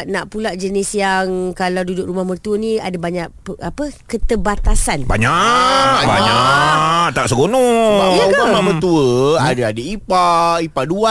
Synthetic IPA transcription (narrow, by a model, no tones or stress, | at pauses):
naʔpulaʔd͡ʒənisjaŋkalawdudʊkɾumahmət̪uəniadabaɲaʔpəapəkət̪əbat̪asanba̰ɲa | ba̰ɲaʔt̪aʔsəɡonɔumamamət̪uəadaadəipaipadua